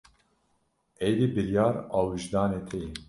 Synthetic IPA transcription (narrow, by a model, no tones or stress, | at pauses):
ɛjd̪ibɨɾjɑːɾɑːwiʒd̪ɑːneːt̪ʰɛjin